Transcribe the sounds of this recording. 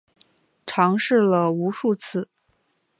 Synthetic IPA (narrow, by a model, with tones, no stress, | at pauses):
ʈ͡ʂʰɑ˧˥ŋʂɻ̩˥˩lə˩u˧˥ʂu˥˧t͡s̩ʰ˥˩